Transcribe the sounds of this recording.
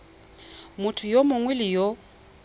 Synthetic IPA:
mʊtʰʊjomʊŋwelɪjo

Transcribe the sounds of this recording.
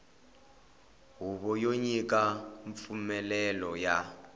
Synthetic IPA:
ɦuβɔjoɲikʼaɱp̪fumɛlɛlɔja

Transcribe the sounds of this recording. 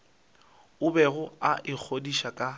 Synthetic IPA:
ʊbɛɣʊaʔɪk͡xʰodiʃakʼa

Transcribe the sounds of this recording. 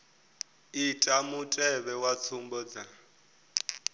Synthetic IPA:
itʼamutʼɛβɛwat͡sʰumbɔd͡za

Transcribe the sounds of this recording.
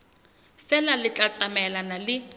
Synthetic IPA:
fɛlalɪt͡ɬʼat͡sʼamɛlanalɪ

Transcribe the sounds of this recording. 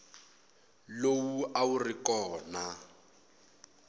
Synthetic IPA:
lowuʔaurikɔːna

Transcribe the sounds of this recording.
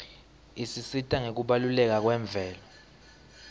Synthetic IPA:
isisitʼaŋek̬uɓalulɛk̬ak̬wɛːɱb̪vʱɛːla

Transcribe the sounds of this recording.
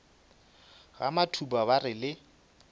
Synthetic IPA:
ɣa̰matʰubaβarɪlɪ

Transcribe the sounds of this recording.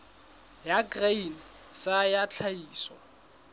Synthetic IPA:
jakrein | sajat͡ɬʰaiːsɔ

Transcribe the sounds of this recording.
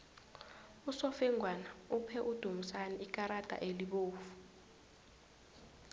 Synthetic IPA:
usɔfɛŋʱwanaupʰɛʔud̥ʱumusanɛʔik̬ʼaɾad̥ʱa̰ʔeliɓoːfu̥

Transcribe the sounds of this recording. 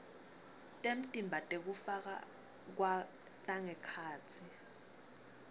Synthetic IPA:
tʼem̩tʼimbʱatʼek̬ufak̬a̰ | k̬wa | tʼaŋɛkʰaːt͡sʰi

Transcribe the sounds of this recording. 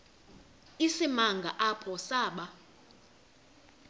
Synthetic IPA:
isimaŋɡʱa̰ʔapʰɔsaːɓa

